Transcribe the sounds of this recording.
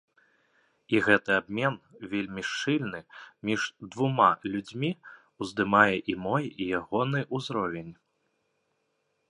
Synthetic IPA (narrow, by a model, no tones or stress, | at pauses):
iɣɛt̪ɨabmʲɛnvʲelʲmʲiʂt͡ʂɨlʲnɨmʲiʐd̪vumalʲud͡zʲmʲi | uzd̪ɨmajɛʔimɔjijaɣɔnɨʔuzɾɔvʲenʲ